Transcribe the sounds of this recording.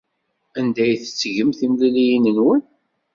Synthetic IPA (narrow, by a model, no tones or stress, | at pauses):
ænd̪æjθə̥t͡sːʝəmθimlilijinənwən